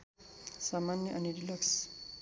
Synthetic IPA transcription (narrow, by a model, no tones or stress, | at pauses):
samanjʌʔʌniɾilʌks